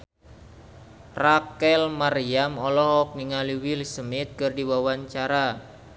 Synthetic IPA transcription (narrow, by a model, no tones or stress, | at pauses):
rakɛlmaɾiamɔlɔhɔk̚niŋaliwilsəmɪt̪̚kɨrdiwawaɲt͡ʃaɾa